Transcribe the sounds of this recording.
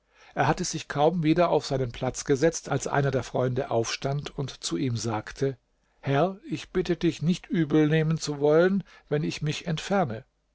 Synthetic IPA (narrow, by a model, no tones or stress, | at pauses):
ʔeːɐhatəz̥ɪçkʰaʊmviːdɐaʊfz̥aɪnənpʰl̥at͡sɡ̥əzɛt͡stalsʔa̰ɪnɐdeːɐfʁ̥ɔʏndəʔa̰ʊfʃtantʰʊntt͡suʔiːmzaːktʰə | hɛɐɪçb̥ɪtədɪçnɪçtʔyːbl̩neːmənt͡suvɔlən | vɛnɪçmɪçɛntfɛɐnə